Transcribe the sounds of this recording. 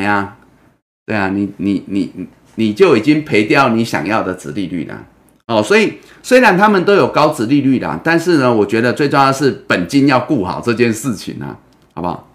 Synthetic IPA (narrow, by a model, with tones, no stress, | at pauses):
a˨ | t̪we˥˩ɪa˩ni˨˩ni˨˩ni˨˩˨ | ni˨˩t͡ɕjo˥˩ʊi˨˩t͡ɕi˦˥ŋpʰe˧˦ɪt̪jɑ˥˩ʊni˨˥ɕjɑ̰˨˩ŋjɑ˥˨˩ʊd̪ə˨˩t͡sɹ̩˧˦li˥˧ly̰˥˩lə̰˩ | hɔ˨˩swɔ˧˥i˨˩ | swe˥ɪɻa˧˦nt̪ʰa˦˥mə˨nt̪o˥ʊjo˨˩ʊkɑ˥˦ʊt͡sɹ̩˧˦li˥˧ly˥˩la̰˩t̪a˥˧nʂɻ̩˥˩nə˨wɔ˨˩t͡ɕɥɛ˧˦˥d̪ə˨t͡swe˥˧ɪʈ͡ʂŋjɑ˥˧˩ʂɻ̩˥˩pə˨˩nt͡ɕi˥˦njɑ˥˧ʊku˥˩xɑ̰˨˩˦ʊʈ͡ʂɤ˥˧t͡ɕjɛ˥˧nʂɻ̩˥˩t͡ɕʰḭ˨˩nla̰˨˩ | hɑ˧˦ʊba̰˧˩